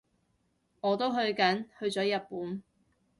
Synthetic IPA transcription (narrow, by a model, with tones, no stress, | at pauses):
ŋɔː˨˧t̪o˥wɦɵ˧ɥkɐ˨˥nhɵ˧ɥt͡sɔː˨˥jɐ˨t̚puː˨˥n